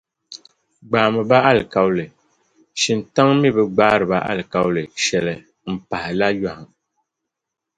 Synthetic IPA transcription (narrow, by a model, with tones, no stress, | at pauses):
ɡ͡baː˨mɨ˨ba˦a˦lɨ˨ka˨wlɨ˨ | ʃi˨nta˦ŋmi˦bɨ˨ɡ͡baː˦ɾɨ˨ba˦ʔa̰˦lɨ˨ka˦wlɨ˨ʃɛ˨lɨ˨ | m̩˨pa˨hɪ˨la˦ja˨hʊ˨